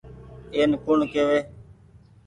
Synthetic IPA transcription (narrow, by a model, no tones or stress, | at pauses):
eːnkʊɳkeːʋeː